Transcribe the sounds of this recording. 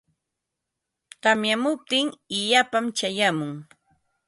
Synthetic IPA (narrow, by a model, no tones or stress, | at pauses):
qɑmjamʊp̚t̪ɪŋɪʎapamt͡ʃajamʊŋ